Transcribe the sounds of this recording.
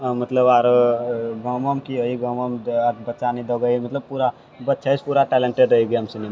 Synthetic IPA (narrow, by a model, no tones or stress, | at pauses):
mət̪ləbaɾ | ɡʱəməmkiɦəiɡʱəməmaɾbətːt͡ʃanid̪əɡəjmət̪ləb̚puɾa | bətːt͡ʃʰajspuɾaʈɛlẽɳʈeɖɾəɦiɡiamsinema